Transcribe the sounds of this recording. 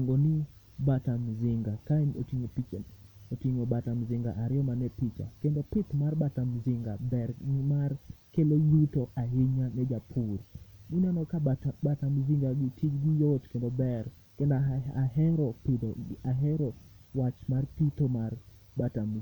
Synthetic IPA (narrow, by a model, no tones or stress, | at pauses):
ŋɡoni | batamzɪŋɡakao̰tiɲopit͡ʃ | otiɲobatamzɪŋɡa̰ʔaɾɪɔmanɛpit͡ʃa̰kɛndopɪt̪marbatamzɪŋɡabɛrimarkelojutɔaɦɪɲanɛd͡ʒapʰurdunianɔkabatamziŋɡaɡitʰid͡ʒɡijoot͡ʃkendɔbɛr | kɛndɔaɦɛɾɔpidoaɦɛɾɔwat͡ʃmarpitomar | batam